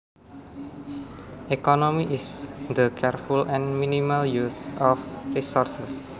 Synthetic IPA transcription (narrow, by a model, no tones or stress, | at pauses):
ʔekɔnomiʔisd̪əkʰɛrfulɛ̃nminimaljusɔfrisɔrsəs